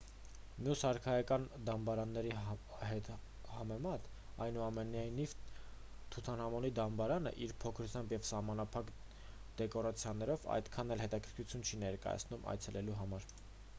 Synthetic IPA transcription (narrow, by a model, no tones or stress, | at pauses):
mjushɑɾkʰɑjɑkɑnd̪ɑmbɑɾɑnːɛɾi | hɛt̪ | hɑmɛmɑt̪ | ɑjnuɑmɛnɑjniv | t̪ʰut̪ʰɑnhɑmɔnid̪ɑmbɑɾɑnə̰ʔiɾpʰɔkʰɾut͡sʰjɑmbjɛvsɑhmɑnɑpʰɑk | d̪̥ɛkɔɾɑt͡sʰjɑnːɛɾɔvɑ̰jd̪kʰɑnɛlɦɛt̪ɑkʰəɾkʰut͡sʰjunt͡ʃʰinɛɾkɑ̰jɑ̰t͡sʰnumɑ̰jt͡sʰɛlɛluɦɑmɑɾ